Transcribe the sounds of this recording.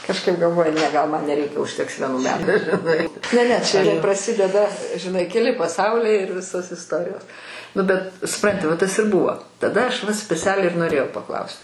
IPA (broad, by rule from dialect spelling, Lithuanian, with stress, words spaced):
kɐʃˈkɐɪp ɡɐlˠˈʋoːjʊ ˈnʲɛ ɡɐlˠ mɐn nʲɛˈrʲɛɪkʲɛ ʊʃʲˈtʲɛks ʋʲiɛˈnuː ˈmʲæːtʊ ʒʲɪˈnɐɪ nʲɛ ˈnʲɛ ˈt͡ʃʲɛ prɐˈsʲɪdʲɛdɐ ʒʲɪˈnɐɪ kʲɛˈlʲɪ pɐˈsɐʊlʲɛɪ ɪr ˈʋʲɪsoːs ɪsˈtoːrʲɪjoːs ˈnʊ bʲɛt sʊˈprɐnʲtʲɪ ʋɐ ˈtɐs ɪr ˈbuːʋoː tɐˈdɐ ˈɐʃ ʋɐ sʲpʲɛˈt͡sʲæːlʲɛɪ ɪr noːˈrʲeːjɛʊ pɐˈklˠɐʊsʲtʲ